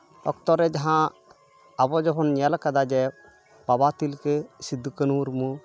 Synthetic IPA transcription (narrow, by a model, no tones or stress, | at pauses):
ɔ̰kt̪ɔɾɛd͡ʒaɦã | abɔd͡ʒɔbɔnɲalkad̪ad͡ʒɛ | pabat̪ilkɛsid̪ukənuɾmũ